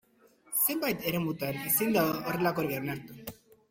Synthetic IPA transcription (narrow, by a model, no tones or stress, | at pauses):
se̞mbajt̪e̞ɾe̞mut̪anisind̪aoore̞lako̞ɾɣeonaɾt̪u